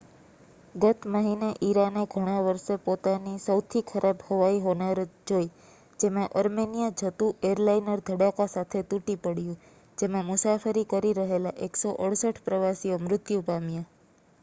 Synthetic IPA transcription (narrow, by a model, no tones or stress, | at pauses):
ɡət̪ʰməɦineʔiɾaneɡʱəɽ̃ãʋəɾʃepot̪anisəwt̪ʰikʰəɾʔabhəʋaiɦonəɾd͡ʒoj | d͡ʒemãʔəɾmenijad͡ʒʱət̪ũeɾlainəɾd̪ʱəɽakasat̪ʰet̪uʈipəɽjũ | d͡ʒemãmʊsafəɾikəɾiɾəɦelaʔeksoʔəɽsəʈʰpɾəʋasiomɾʊt̪jupamja